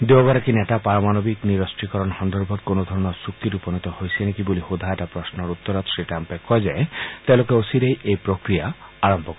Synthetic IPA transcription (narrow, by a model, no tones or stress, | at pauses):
d̪eoɡaɾakinetapaɾɔmanɔbikniɾɔsʈikɔɾɔnhɔnd̪ɔɾbʱɔt̪konɔd̪ʱɔɾɔnɔɾsuk̚t̪iɾupɔnit̪ɔhojsienekibolihud̪ʱaeʈapɾɔsnɔɾut̪ːɔɾɔt̪siʈampekɔjd͡ʒaet̪elokeosiɾejʔejpɾokɾijaaɾɔmbʱɔkɔ